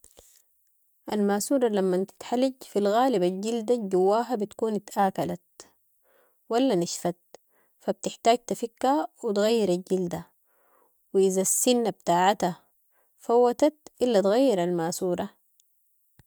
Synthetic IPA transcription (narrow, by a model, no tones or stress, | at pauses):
ʔalmaːsuːɾˤɑlamːant̪i̥t̪ħalːiɟfilɣaːlibalɟild̪aɟuwːaːɦabit̪kuːnit̪ʔaːkalat̪̚ | walːaniʃfat̪̚ | fab̚t̪ɪħt̪aːɟ̚t̪afikːawit̪ɣajːiɾalɟild̪a | wiʔizasːinːab̚t̪aːʕat̪a | fawːat̪at̪̚ʔilːat̪ɣajːiɾalmaːsuːɾˤɑ